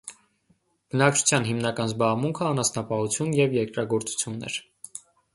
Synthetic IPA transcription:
b̥ənɑk̚t͡ʃʰu̥t͡sʰjɑnɦimnɑkɑnzbɑʁmuŋkʰəɑnɑsnɑpɑhut͡sʰjunjɛvjɛɾkɾɑɡɔɾt͡su̥t͡sʰjunːɛ̰ɾ

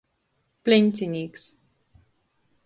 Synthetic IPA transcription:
plẽntiniks

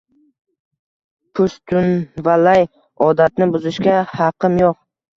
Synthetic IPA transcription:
pʰʊst̪ʰʊnvalaj | ɒd̪at̪nɪbʊzɪʃɡʲahɑqʰɨmjoq̚

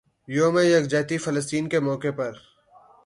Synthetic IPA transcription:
joːmẽjɐɡd͡ʒaːt̪ifɐləst̪iːnkemɔːkepɐɾ

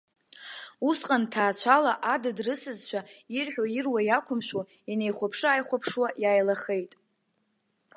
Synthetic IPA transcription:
usqʼantʰaːt͡ɕʷʰalaʔadɨdrɨsɨzʃʷᶣʰairħᶣairwajakʷʰʊmʃʷᶣwa | ane̞jχʷapʰʂɨaːjχʷapʰʂwajaːjlaχe̞jtʼ

